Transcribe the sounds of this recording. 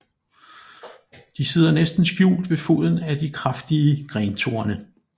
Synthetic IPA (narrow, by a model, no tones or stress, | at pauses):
d̥ise̝ð̞̰ˠɐnesd̥n̩sɡ̥jṵːld̥ʋe̝fo̝̰ð̞ˠn̩æd̥ikʰʁafd̥iəɡ̥ʁɛnt͡sʰo̝̰ɐnə